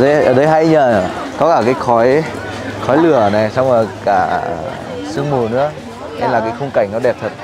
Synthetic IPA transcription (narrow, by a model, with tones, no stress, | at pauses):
ə˨˦ʔəː˧˩ɗə˨˦jɦa˧ɲəː˨˩ə˨˩kɔ˨˦kaː˧˩kaː˨˦jxɔ˨˦j | xɔ˨˦jlɨ˨˧˩əna˨˩jsa˧wŋ͡mɔ˨˩kaː˧˩˨ | sɨ˧əŋmu˨˩nɨ̰˧˥ə | ʔɛ̰˧mlaː˨˩kaː˨˦jxʊ˧ŋ͡mka˧˩jŋ̟nɔ˨˦ɗɛ˨˩p̚t̪ʰə˨˩t̚